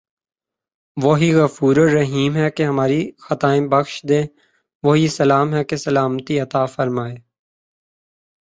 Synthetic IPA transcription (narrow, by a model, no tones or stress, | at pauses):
ʋoɦiɣɐfuːɾoɾɐɦiːmɦɛkeɦɐmaːɾixɐt̪aːẽbɐxʃd̪ẽː | ʋoɦisɐlaːmɦɛkesɐlaːmt̪iɐt̪aːfəɾmaːeː